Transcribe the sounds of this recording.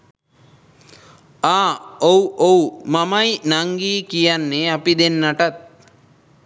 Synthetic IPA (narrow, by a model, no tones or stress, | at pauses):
aːowʔowmamajnaŋɡiːkijanːeapid̪enːaʈat̪̚